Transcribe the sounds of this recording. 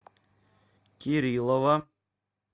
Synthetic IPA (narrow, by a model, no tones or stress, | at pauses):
kʲiɾʲilˠova